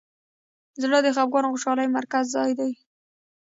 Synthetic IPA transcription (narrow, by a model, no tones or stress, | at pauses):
zləd̪əxabɣɑnxʊʃɑləjmaɾkazːɑjd̪aj